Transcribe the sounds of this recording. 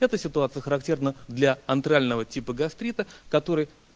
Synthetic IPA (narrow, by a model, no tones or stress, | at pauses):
ɛt̪əsʲɪt̪ʊat̪sɨjəxəɾɐktʲernəd̪lʲɐɐnt̪ɾalʲnəvətʲipəɡɐst̪ɾʲit̪əkɐt̪o̞ɾɨj